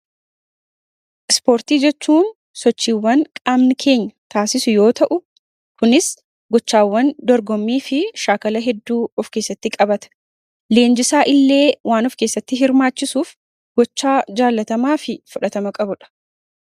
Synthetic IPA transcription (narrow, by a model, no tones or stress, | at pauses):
ʔɪspo̞ːɾt̪iːd͡ʒɛt͡ʃːuːn | sɔt͡ʃːiːwːɐŋkʼamnɪkʰe̞ːɲːɐt̪aːsɪsʊjo̞ːt̪ɐʔʊ | kʊnɪs | ɡɔt͡ʃːaːwːɐnd̪ɔɾɡɔmːiːfɪʃaːkɐlɐɦɛd̪ːuːɔfke̞ːsːɐt̪ːɪkʼɐbɐt̪ɐ̥ | le̞ːnd͡ʒɪsaːʔɪlːe̞ːwʔaːnɔfke̞ːsːɐt̪ːɪɦɪɾmaːt͡ʃːɪsuːf | ɡ̥ɔt͡ʃːaːd͡ʒaːlːɐt̪ɐmaːfɪfʊᶑɐt̪ɐmɐkʼɐbʊᶑɐ̥